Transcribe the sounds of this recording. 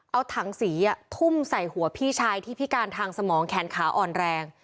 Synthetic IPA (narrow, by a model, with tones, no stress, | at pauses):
ʔa˧wt̪ʰa˩˦ŋsiː˩˦ʔa˨˩t̪ʰu˥˩msa˨˩jhu˩˦ɐpʰiː˥˩t͡ɕʰaː˧jt̪ʰiː˥˩pʰi˦˥kaː˧nt̪ʰaː˧ŋsa˧mɔː˩˦ŋkʰɛː˩˦nkʰaː˩˦ʔɔː˨˩nɾɛː˧ŋ